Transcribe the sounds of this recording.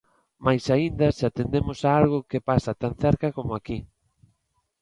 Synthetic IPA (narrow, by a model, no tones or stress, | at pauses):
majsaind̪ɐsat̪end̪emʊsaalɣʊkepasat̪an̟θɛɾkakomoaki